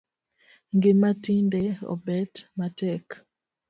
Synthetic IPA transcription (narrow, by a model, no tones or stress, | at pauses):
ŋɡematindɛɔ̰bɛtmatɛk